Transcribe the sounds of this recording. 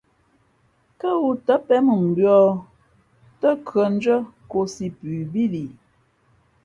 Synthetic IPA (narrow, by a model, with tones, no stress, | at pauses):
kə˦wu˨tə˦pɛ˨˦mə˨m̩˨bɥɔ˦ | tə˦kɰə˨n̩˦d͡ʒə˦ko˨si˨pʉ˨bi˦li˨